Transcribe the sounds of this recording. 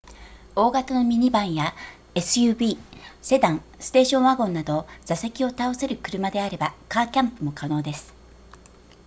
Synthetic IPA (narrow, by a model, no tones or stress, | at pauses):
o̞ːɡat̪ano̞mʲiɲ̟ibãɰ̃ja | e̞sɨjɯ̟ːbiːse̞d̪ãŋsɨ̥t̪e̞ːɕõ̞ɰ̃βaɡõ̞nːad̪o̞z̥ase̞kʲio̞t̪aose̞ɾɯ̟kɯ̟ɾɯ̟mad̪e̞aɾe̞bakaːkʲãmpɯ̟mo̞kano̞ːd̪e̞sɨ̥